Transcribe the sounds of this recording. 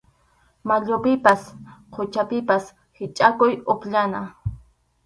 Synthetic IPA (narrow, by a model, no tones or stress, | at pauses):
maʎʊpɪpasqʰʊt͡ʃapɪpas | hɪt͡ʃʼakʊjʊpʎana